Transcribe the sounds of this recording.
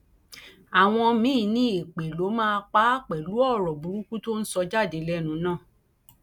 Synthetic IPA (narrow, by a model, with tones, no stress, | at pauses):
a˨w̃ɔ̃˧mĩ˨˦˧nĩ˦e˨k͡pe˨lo˨˦mãː˦˧k͡pa˨˦k͡pɛ˨lu˨˦ɔ˦˨ɾɔ˨bu˨˦ɾũ˦ku˦to˦n̩˦sɔ˧d͡ʒa˦˨de˨˦lɛ˦nũ˨˧nãː˦˨